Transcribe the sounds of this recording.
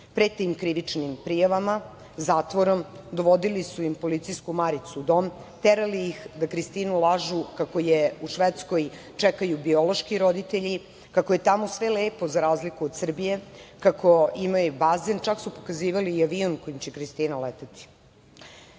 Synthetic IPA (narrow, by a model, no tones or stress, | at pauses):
pɾet̪ːimkɾiʋit͡ʂnimpɾijaʋama | zaːt̪ʋo̞ɾomd̪o̞ʋo̞d̪ilisujimpo̞lit̪sijskumaɾit̪sud̪o̞m | t̪eɾalijixd̪akɾist̪iːnulˠaʒukako̞jeuʃʋet̪sko̞j | t͡ʂɛkajubio̞lo̞ʃkiɾo̞d̪it̪eʎi | kakoje̞t̪amo̞sʋeleːpo̞zaɾaːzlikuod̪sr̩bije̞kakʰo̞imajubazent͡ʃaksupokaziːʋaliːaʋionko̞jimt͡ɕekɾist̪iːnalet̪at̪i̥